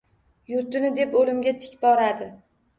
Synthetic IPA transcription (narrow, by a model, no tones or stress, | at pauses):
jʊɾt̪ɪnɪd̪e̞polɪmɡʲat̪ʰɪ̥kʲbɒɾad̪ɪ